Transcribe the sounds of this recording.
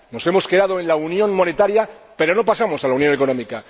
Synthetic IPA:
no̞se̞mo̞ske̞ðaðoẽ̞nlaunjõ̞nmo̞ne̞t̪aɾjape̞ɾo̞no̞pasamo̞salaunjo̞ne̞ko̞nõ̞mika

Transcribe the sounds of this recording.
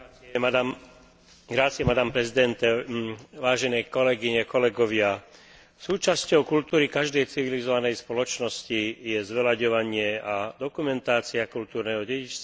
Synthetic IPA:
ɡɾat͡siɛmad̪aːmpɾɛzid̪ɛnt̪ɛʋaːʒɛnɛkɔlɛɡiɲɛkɔlɛɡɔʋɪa | suːt͡ʃascɔʊkult̪uːɾikaʒd̪ɛjt͡siʋilizɔʋanɛjspɔlɔt͡ʃnɔscijɛzʋɛlaɟɔʋaɲɪɛad̪ɔkumɛnt̪aːt͡siakult̪uːɾnɛɦɔɟɛɟit͡ʃst̪a

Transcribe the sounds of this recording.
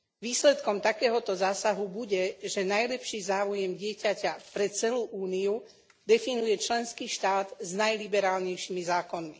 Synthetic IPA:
ʋiːslɛt̪kɔmt̪akɛːɦɔt̪ɔzaːsaɦubuɟɛʒɛnajlɛpʃiːzaːujɛmɟɪɛcacapɾɛt͡sɛluːʔuːniu | d̪ɛfinujɛt͡ʃlɛnskiːʃt̪aːd̪znajlibɛɾaːlɲɛjʃimizaːkɔnmi

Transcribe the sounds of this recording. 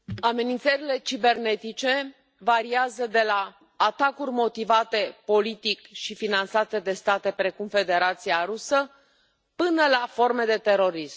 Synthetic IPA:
ame̞nint̪səɾile̞t͡ʃibe̞rne̞t̪it͡ʃe̞ | vaɾiazəd̪e̞laː | t̪akurʲmo̞t̪ivat̪e̞po̞lit̪ikʃifinant̪sat̪e̞d̪e̞st̪at̪e̞pɾe̞kumfe̞d̪e̞ɾat̪siaɾusə | pɨnəlafo̞rme̞d̪e̞t̪e̞ɾo̞ɾism

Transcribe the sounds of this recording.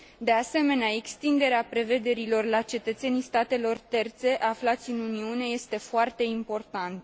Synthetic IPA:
d̪e̞ase̞me̞neae̞kst̪ind̪e̞ɾeapɾe̞ve̞d̪e̞ɾilo̞rlat͡ʃe̞t̪ət̪se̞nijst̪at̪e̞lo̞rt̪e̞rt̪se̞ʔaflat̪sʲɨnuniune̞je̞st̪e̞foart̪e̞impo̞rt̪ant̪

